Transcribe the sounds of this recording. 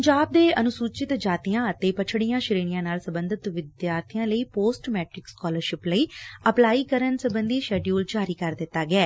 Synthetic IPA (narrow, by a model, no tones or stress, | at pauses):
ɲd͡ʒaːb̚d̪eːʔənʊsuːt͡ʃɪt̪d͡ʒaːt̪ijãːət̪eːpət͡ʃʰɽijãːʃɪɾeːnijãːnaːlsəbə̃nd̪ət̪ʋɪd̪jaːɾt̪ʰijãːləiːpoːsʈmɛːʈɾɪkskɔːləɾʃɪpləiːəplaːiːkəɾənsəbənd̪iːʃɛːɖjuːld͡ʒaːɾiːkəɾd̪ɪt̪ːaːɡɛː